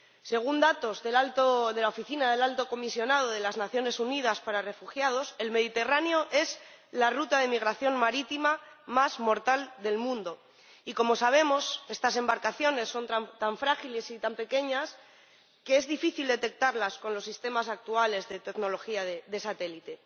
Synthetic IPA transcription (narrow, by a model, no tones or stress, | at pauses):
se̞ɣ̞und̪at̪o̞zðelalt̪oðe̞laofiθinaðe̞lalt̪o̞ko̞misjo̞nað̞o̞ð̞e̞laznaθjo̞ne̞sunið̞aspaɾare̞fuxjað̞o̞se̞lme̞ð̞it̪e̞raneo̞ʔe̞z | larut̪aðe̞miɣ̞ɾaθjo̞nmaɾit̪imamazmo̞ɾt̪ald̪e̞lmũnd̪o̞ | iko̞mo̞saβ̞e̞mo̞se̞st̪as̬e̞mbaɾkaθjo̞ne̞sːo̞nt̪aɱt̪aɱfɾaxile̞sit̪ampe̞ke̞ɲas | keezðifiθild̪e̞t̪e̞k̚t̪aɾlasko̞nlo̞sːist̪e̞masak̚t̪uale̞zðe̞t̪e̞ɡnolo̞xiaðeðe̞sat̪e̞lit̪e̞